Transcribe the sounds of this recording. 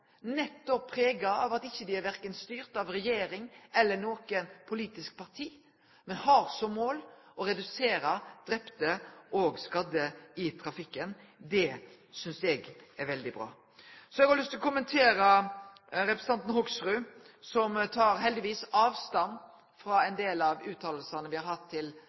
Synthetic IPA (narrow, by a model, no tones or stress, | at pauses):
nɛt̪ːɔpʰːɾeːɡɑɑʋɑt̪ɪçːəd̪ɪæɾʋæɾkənst̪yːɾt̪ɑʋɾɛjeːɾɪŋɛlːənoːkənpʰʊliːt̪ɪsk̚pʰɑʁt̪ʰiː | mɛnhɑɾsɔmːoːl | ɔɾɛd̪ʉseːɾəd̪̥ɾɛpt̪əʔɔɡskɑd̪əɪt̪ʰɾɑfɪkːən | d̪ɛ | sʏnsɛɡæɾʋɛld̪ɪbɾɑ̰ː | sɔɛɡhɑɾlʏst̪ɪlɔkʰʊmənt̪ʰeːɾə | ɾɛpɾəs̩ɑnt̪n̩hɔɡsɾʉː | sɔmt̪ʰɑːɾɦɛld̪ɪʋiːsɑːʋst̪ɑn | fɾɑɛnd̪eːlɑʋʉːt̪ʰɑːllsɑnəʋɪhɑɾhɑt̪ʰːɪl